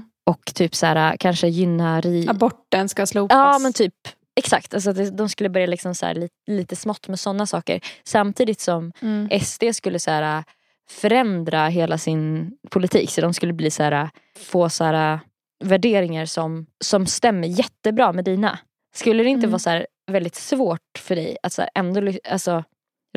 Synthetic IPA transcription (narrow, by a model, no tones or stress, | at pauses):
ʔɔkːt̪ʰyːpsæːɾakʰanʂəjʏnːaɾiːbɔʈːənskasluːɑːmɛnt̪ʰyːp | ɛksakt̪als̬ɔat̪̚d̪ɛd̪ɔmskɵlːəbœɾjalɪksɔmsæ̰ːɾɭiːliːt̪əsmɔt̪ːmɛsɔnːasɑːkə̰ɾsamt̪ʰiːd̪ɪt̪sɔmʔɛst̪ʰeːskɵlːəsæːɾa | fœɾɛnd̪ɾaɦeːlasɪnpʰʊlɪt̪ʰḭːksɔd̪ɔmskɵlːəbliːsæːɾa | foːsæːɾa | væɖeːɾɪŋaɾsɔmsɔmst̪ɛmːəɾjɛt̪ːəbɾɑːmɛd̪iːna̰ | skɵlːəd̪ɛɪnt̪əvɑːsæːɾ | vɛld̪ɪt̪svoːʈ̚fœɖɛ̰jat̪sæ̰ːɾʔɛnd̪oːlʏalsɔ